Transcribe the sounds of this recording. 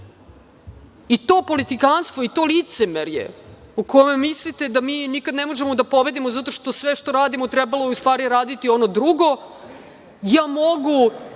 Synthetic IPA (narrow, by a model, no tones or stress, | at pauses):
it̪o̞ːpo̞lit̪ikanst̪ʋo̞it̪o̞lit̪semeɾjḛukomemislit̪ed̪amiːnikad̪nemo̞ʒemo̞d̪apo̞be̞d̪imozat̪o̞ʃt̪osʋeʃt̪o̞ɾaːd̪imot̪ɾɛbalojust̪vaːɾijeɾaːd̪it̪io̞no̞d̪ɾuɡo̞ | jaːmoɡu